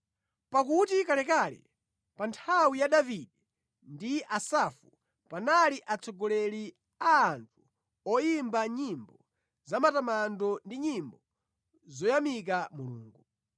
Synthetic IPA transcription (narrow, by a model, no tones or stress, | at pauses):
pakutikalɛkaːlḭ | pantʰawijaɗaviɗiɛ | ndiʔasafu | panaliʔat͡sʰɔɡɔlɛli | aːntʰu̥ | ɔjimbaɲimbɔ | zamatamandɔndiɲimbɔ | zɔjamik̬amuluːŋɡu